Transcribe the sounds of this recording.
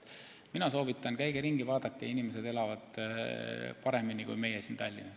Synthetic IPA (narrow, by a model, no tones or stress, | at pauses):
minɑso̞ːbit̪ːˑɑnkæjɡeɾiŋɡivɑːd̪̥ɑkːeinimes̬e̞d̪e̞lɑvɑd̪̥ | pɑɾe̞minikṵjme̞jesint̪ɑlʲːinɑs